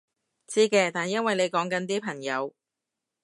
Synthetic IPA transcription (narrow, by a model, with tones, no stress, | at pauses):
t͡siː˥kɛː˧t̪aː˨˩njɐ˥nwɐ˨jne˨˧jkɔː˨˥ŋkɐ˨˧nt̪iː˥pʰɐ˨˩ŋjɐ˨˧w